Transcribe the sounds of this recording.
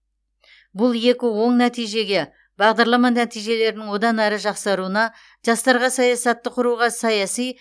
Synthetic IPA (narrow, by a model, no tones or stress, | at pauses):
bʊlˠje̞kʲɪwo̞ɴnæt̪ijʒe̞ɡʲe̞ | bɑʁd̪ɑɾlˠɑmɑnæt̪ijʒe̞le̞ɾɪnɪŋwo̞d̪ɑnæɾəʒɑqsɑɾuənɑ | ʒ̥ɑst̪ɑɾʁɑsɑjɑsɑt̪ːəqʰʊɾuʁɑsɑjɑsij